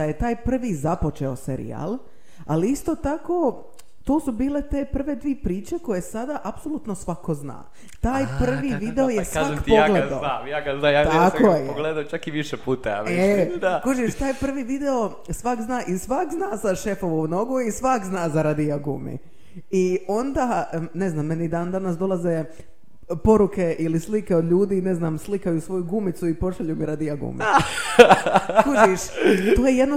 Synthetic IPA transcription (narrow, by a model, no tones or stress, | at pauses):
d̪aje̞t̪aːjpr̩ʋizapo̞t͡ʃe̞o̞seɾḭa̰ːlˠ | aliist̪ot̪ako | t̪oːsubiːle̞t̪eːpr̩ʋe̞d̪ʋiːpɾiːt͡ʃeko̞je̞sad̪aʔapso̞lˠut̪nosʋakozna̰ː | t̪aːjppr̩ʋiʋid̪eojesakt̪poɡleaajaɡaznajat̪jakojeɡled̪at͡ʃakiʋiʃepuːt̪aa̰ed̪akoʒit̪aːjpr̩ʋiʋid̪eo̞ | sʋakznaːʔisʋakznaːzaʃe̞foʋouno̞ɡuisʋakznaːzaɾad̪iaɡṵmḭ | io̞nd̪ane̞znaːmːenid̪and̪anasd̪o̞lˠaze | po̞ɾuke̞ʔilislikeod̪ʎuːd̪iːneznaːmslikajusʋo̞juɡumit̪suipo̞ʃaʎumiɾad̪ijaɡṵmi | kuiʃt̪oːjejed̪no